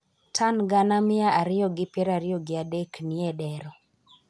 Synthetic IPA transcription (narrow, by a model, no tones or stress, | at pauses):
tʰanɡanamɪaʔaɾɪɔɡɪpɛɾaɾɪjɔɡɪadeknɪɛdɛɾɔ